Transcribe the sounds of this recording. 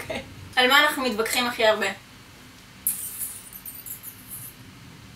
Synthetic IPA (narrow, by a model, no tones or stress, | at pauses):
kalmaːnaχnumit̪bakχimaχiaʁbe̞